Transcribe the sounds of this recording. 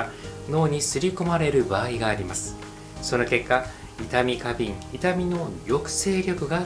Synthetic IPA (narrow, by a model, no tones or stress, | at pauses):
no̞ːɲ̟isɨɾʲiko̞maɾe̞ɾɯ̟baːiɡaːɾʲimasɨ̥ | so̞no̞ke̞kːa | it̪amʲikabʲĩŋit̪amʲino̞jo̞kɯ̟̥se̞ːɾʲo̞kɯ̟ɡa